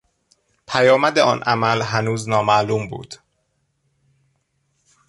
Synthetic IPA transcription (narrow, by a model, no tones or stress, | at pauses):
pʰæjɒːmæd̪eʔɒːnʔæmælɦænuːznɒːmæʔluːmbṵːd̪̥